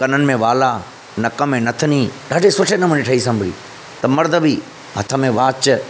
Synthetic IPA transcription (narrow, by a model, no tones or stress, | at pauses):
kɐnənɪ̆mẽʋaːla | nɐkəmẽnɐt̪ʰənĩːɖaːɖʱesʊʈʰenɐməniʈʰɐisɐ̃mbʱɽḭː | t̪ɐmɐɾd̪əbiː | m̤ɐt̪ʰəmẽʋaːt͡ɕ